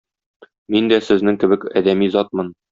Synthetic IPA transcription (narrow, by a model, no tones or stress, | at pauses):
mind̪æsɘ̆znɘŋkɘ̆bɘkæd̪æmizɒt̪̚mɤn